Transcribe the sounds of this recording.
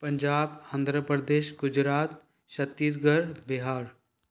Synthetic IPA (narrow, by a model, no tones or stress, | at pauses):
pə̃ɲd͡ʒaːbãnd̪ʱɾəpɾəd̪eːʃɡʊd͡ʒɾaːt̪ | ʃɐt̪ːiːs̬ɡəɾbɪɦaːɾ